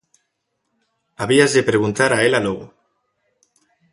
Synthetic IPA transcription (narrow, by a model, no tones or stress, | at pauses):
aβiazðepɾeɣ̞unt̪aɾaelaloɣo